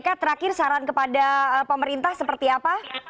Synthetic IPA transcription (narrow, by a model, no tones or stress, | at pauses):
kat̪əɾakɪrsaɾankəpadaəpəməɾint̪ahsəpərt̪iapa